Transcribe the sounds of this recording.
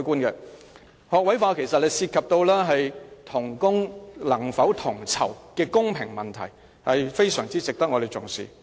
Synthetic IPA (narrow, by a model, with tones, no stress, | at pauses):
jkʷuː˥nkɛ˧ | hɔː˨k̚wɐ˨˥jfaː˧kʰe˨˩jsɐ˨t̚le˨˧jsiː˧t̚kʰɐ˨p̚t̪o˧wlɛː˥ɦɐ˨jt̪ʰʊ˨˩ŋkʊ˥ŋlɐ˨˩ŋfɐ˨˥wt̪ʰʊ˨˩ŋt͡sʰɐ̰˨˩wkɛː˧kʊ˥ŋpʰɪ˨˩ŋmɐ˨˩nt̪ʰɐ̰˨˩j | hɐ˨jfe˥jsœː˨˩ŋt͡siː˥t͡sɪ˨k̚t̪ɐ˥k̚ŋɔː˨˧e˨jt͡sʊ˨˩ŋsḭː˨